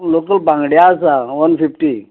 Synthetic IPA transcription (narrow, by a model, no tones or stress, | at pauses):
lokəlbãŋɡɽjaːsaʋənfifʈi